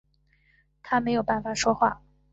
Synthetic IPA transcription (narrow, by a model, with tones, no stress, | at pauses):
t̪ʰa˥me˧˥ɪjo˨˩ʊpa˥˩nfa˨˩ʂwɔ˥xwa˥˩